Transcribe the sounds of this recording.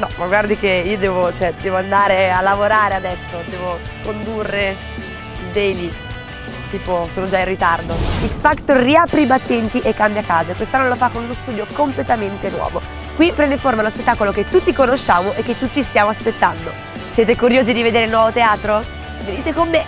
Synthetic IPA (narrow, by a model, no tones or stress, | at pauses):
nɔmaɡward̪ikeiːod̪ɛːvot͡ʃɛd̪ɛːvoand̪aːɾealːavoɾaːɾead̪ɛsːod̪ɛːvo | kond̪urːe | d̪ejli | t̪iːposoːnod͡ʒairːit̪ard̪oiksfakt̪orːiapɾibat̪ːɛnt̪iʔekːambjakaːzakwest̪anːolofakːonunost̪uːd̪jokomplet̪ament̪enwɔ̰ːvo | kwipɾɛnd̪eiɱformalospet̪ːaːkolok̟et̪ːut̪ːikonoʃːaːmoʔek̟ːet̪ːut̪ːist̪jaːmoaspet̪ːand̪o | sjɛːt̪̬ekuɾjoːzid̪ived̪eːɾeilnwɔvot̪eaːt̪ɾo | veniːt̪ekomːe